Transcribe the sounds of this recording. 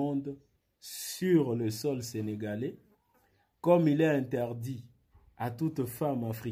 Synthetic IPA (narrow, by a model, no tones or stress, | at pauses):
ɔ̃d̪ | syʁləsɔlseneɡale | kɔmilɛɛ̃ntɛʁd̪i | atut̪famafʁi